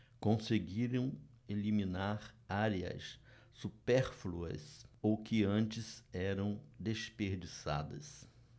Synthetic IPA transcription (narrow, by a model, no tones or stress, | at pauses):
kõseɡiɾɐ̃w̃ | elimĩnaɾaɾiɐ̰sː | upɛɾfluɐ̰sowkɪɐ̃nt͡ʃɪzɛɾɐ̃w̃d̪espeɾd͡ʒisa̰d̪ɐ̰s